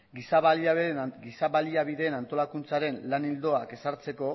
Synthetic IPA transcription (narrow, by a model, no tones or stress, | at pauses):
ɡisaβaɡisaβaliaβiðe̞ːnant̪o̞lakunt͡saɾe̞nlanild̪o̞ake̞saɾt͡se̞ko̞